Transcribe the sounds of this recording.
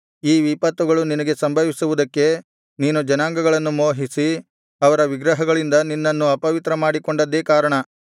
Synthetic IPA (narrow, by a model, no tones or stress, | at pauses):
iːʋipɐt̪ʋuɡɐɭuninɐɡe̞sɐmbʱɐʋisuʋud̪ɐkːe̞ | niːnud͡ʒɐnaːŋɡɐɡɐɭɐnːumoːɦisi | ɐʋɐɾɐʋiɡɾɐɦɐɡɐɭind̪ɐninːɐnːuɐpɐʋit̪ɾɐmaːɽiko̞ɳɖɐd̪ːeːkaːɾɐɳɐ